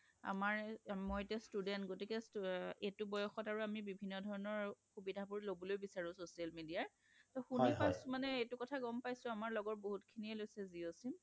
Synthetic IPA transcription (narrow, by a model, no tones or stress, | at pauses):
a̰maɹmɔjtɛstudɛntɡotikɛsetubɔjɔxɔtaɹuamibibʱinːɔdʱɔɹɔnɔɹxubidʱapuɹlobɔlojbisaɹũsosialmidiaɹ | tɔxunipasmanɛetukɔtʰaɡɔmpajsʊ̃amaɹlɔɡɔt̚boɦutkʰiniɛlojsɛziosim